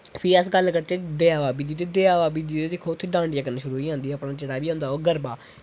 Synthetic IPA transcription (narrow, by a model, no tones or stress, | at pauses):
pʰɪəsɡəlkəɽt͡ʃed̪eːaːʋaːbiːd̪iːt̪eːd̪eːaːʋaːbiːd̪iːt̪eːd̪ekʰːoːʊt̪ʰːeːɖãːɳɖjaːkəneːʃʊɾuːiːãːnd̪iːɛːpɳaːt͡ʃəɽaːbiːõːnd̪aːɦoːɡəɾbaː